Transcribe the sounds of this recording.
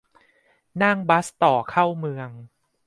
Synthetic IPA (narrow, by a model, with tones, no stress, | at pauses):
na˥˩ŋba˦˥st̪ɔː˨˩kʰa˥˩wmɯ˧əŋ